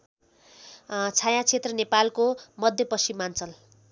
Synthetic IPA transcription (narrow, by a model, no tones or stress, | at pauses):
t͡sʰajãt͡sʰet̪rʌnepalkomʌd̪ʱjʌpʌsimːant͡sʌl